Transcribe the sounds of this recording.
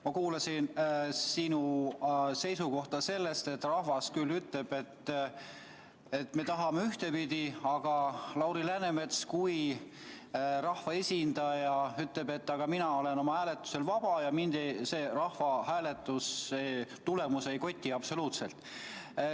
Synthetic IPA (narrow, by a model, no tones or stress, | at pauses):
mɑkuːlɑsinsinu | se̞jsuko̞ht̪ɑse̞lːe̞st̪e̞t̪ːˑrɑhvɑskylːyt̪le̞b̥e̞t̪ | e̞t̪ːme̞t̪ɑɦɑmeyht̪e̞pid̪̥ʲiɑɡ̥ɑlɑwɾilæneme̞t̪skuj | rɑhvɑe̞sʲind̪̥ɑjɑyt̪le̞be̞t̪ːɑɡ̥ɑminɑo̞le̞no̞mɑhæːle̞t̪ːˑu̥se̞lvɑb̥ɑjɑmind̪̥eseːrɑhvɑɦæːle̞t̪ːˑuset̪ulemuse̞jko̞t̪ʲːiɑb̥so̞luːt̪se̞lt̪ˑ